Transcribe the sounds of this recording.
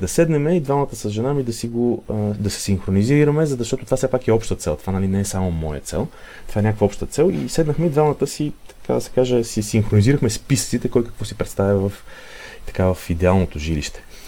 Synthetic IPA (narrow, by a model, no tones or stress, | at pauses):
d̪ɐsɛd̪nɛmɛid̪vamət̪əsɐzʒɛnamid̪ɐsiɡod̪ɐsɛ̥simxɾoniziɾəmɛzzɐʃt̪ɔt̪ot̪ovafsɛpakɛɔpʃt̪ət̪sɛlˠt̪o̥vanɐlinɛːsamomɔjə̰t̪sɛ̰lˠ | t̪ovaɛnʲakovəɔpʃt̪ət̪sɛlˠḭsɛd̪nəxmɛid̪vamət̪əsit̪ɐ̥ka̰d̪ɐsɛ̥kaʒɛsisimxɾoniziɾəxmɛspisə̥t̪sit̪ɛkɔjkə̥kvɔsipɾɛt̪st̪avʲɐvɐf | t̪ɐ̥kavɐfid̪ɛalˠnot̪oʒilḭʃt̪ɛ̥